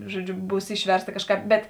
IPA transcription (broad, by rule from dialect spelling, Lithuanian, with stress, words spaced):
ˈʒuɔˌd͡ʒʲʊ ˈbuːs ˈɪʃʲʋʲɛrsˌtɐ ˈkɑːʃˌkɑːp bʲɛt